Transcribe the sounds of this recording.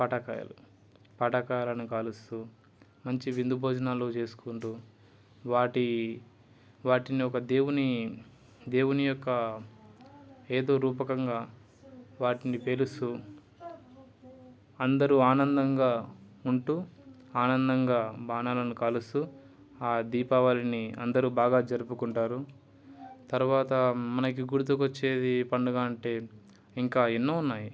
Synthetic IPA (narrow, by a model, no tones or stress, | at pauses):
pɐʈɐkaːjɐ̰lu | pɐʈɐkaːjɐlɐnukaːlust̪u | mɐɲt͡ʃiʋind̪ubʱoːd͡ʒɐnaːlːoːt͡ʃe̞ːsu̥kuɳʈuː | ʋaːʈi | ʋaːʈiniɔkɐd̪eːwuni | d̪e̞ːwunijɔkːɐ | e̞ːd̪o̞ːɾuːpɐkɐŋɡaː | ʋaːʈinipe̞lusu | ɐnd̪ɐɾuaːnɐnd̪ɐŋɡaːuɳʈuː | aːnɐnd̪ɐŋɡaːbaːnaːlɐnukalust̪u | aːd̪iːpaʋaːliniɐ̰nd̪ɐɾuːbaːɡaːd͡ʒɐɾupukuɳʈaːɾu | t̪ɐɾuʋaːt̪ɐmɐnɐkiɡuɽut̪̬ukɐt͡ʃːe̞ːd̪ipɐɳɖuɡaːɐɳʈe̞ː | iŋkaːinːoːunːaːji